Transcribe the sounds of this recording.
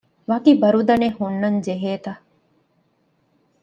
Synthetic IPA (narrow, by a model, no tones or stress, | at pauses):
ʋaːkibɐɾud̪ɐnehunːɐnd͡ʒeɦeːt̪ɐ